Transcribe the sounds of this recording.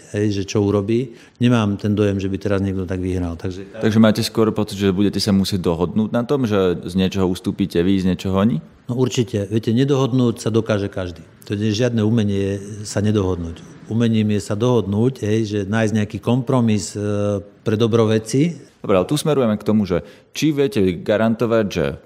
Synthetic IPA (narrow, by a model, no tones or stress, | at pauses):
ɦɛjʒɛt͡ʃɔuɾɔbiː | ɲɛmaːmt̪ɛnd̪ɔjɛmʒɛbit̪ɛɾazɲɪɛɡd̪ɔt̪aɡʋiɦɾalt̪aɡʒɛt̪aɡʒɛmaːcɛskʊɔɾpɔt͡sid̪ʒɛbuɟɛcɛsamusɪɛɟ̚d̪ɔɦɔd̪nuːɟ̚nat̪ɔmʒɛzɲɪɛt͡ʃɔɦɔust̪uːpiːcɛʋizɲɛt͡ʃɔɦɔaɲi | nɔuɾt͡ʃicɛʋɪɛcɛɲɛd̪ɔɦɔd̪nuːcsad̪ɔkaːʒɛkaʒd̪iːt̪ɔɲɛɛʒɪad̪nɛːumɛɲɪɛsaɲɛd̪ɔɦɔd̪nuːcumɛɲiːmjɛsad̪ɔɦɔd̪nuːcɦɛjʒɛnaːjzɟɲɛakiːkɔmpɾɔmis | pɾɛd̪ɔbɾɔʋɛt͡sid̪ɔbɾɛalɛt̪usmɛɾujɛmakt̪ɔmuʒɛ | t͡ʃiʋɪɛcɛɡaɾant̪ɔʋaɟʒɛ̰